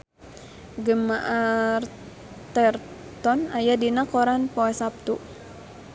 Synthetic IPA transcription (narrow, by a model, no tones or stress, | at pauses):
ɡəmaʔar | t̪ɛr | t̪ɔnajadinakɔɾanpɔɛsap̚t̪u